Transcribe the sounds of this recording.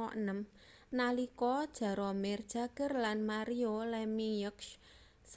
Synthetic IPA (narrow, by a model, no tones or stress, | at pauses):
ɔʔnəm | nalikɔd̥ʒ̥a̤ɾɔmɪrd̥ʒ̥a̤ɡ̥ə̤rlanmaɾiolɛmijʊks | s